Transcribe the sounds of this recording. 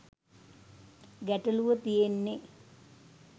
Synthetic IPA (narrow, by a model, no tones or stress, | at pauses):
ɡæʈəluʋət̪ijenːe